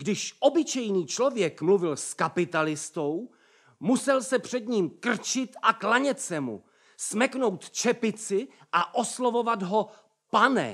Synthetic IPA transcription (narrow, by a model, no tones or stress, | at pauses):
ɡdɪʃʔo̞bɪt͡ʃɛjniːt͡ʃlo̞vjɛkmluvɪlskapɪt̪alɪst̪o̞w | musɛlsɛpr̝̥ɛd̪ɲiːmkr̩t͡ʃɪt̪ʔaklaɲɛt̪sɛmṵ | smɛkno̞wt̪t͡ʃɛpɪt͡sɪ | ʔaʔo̞slovo̞vad̪ɦo̞ | panɛ̰